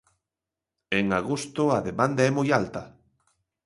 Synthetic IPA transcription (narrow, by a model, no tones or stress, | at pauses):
eŋaɣost̪ʊaðemand̪aɛmojalt̪ɐ